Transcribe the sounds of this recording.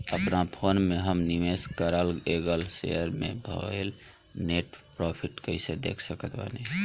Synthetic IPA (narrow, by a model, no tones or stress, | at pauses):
əpnapʰonmeɦəmnimeskəɾəlɡeɡəlsḛəɾmḛbʱə̰el | neʈpɾɔpʰiʈkəɪsed̪ḛkʰsəkət̪ba̰ni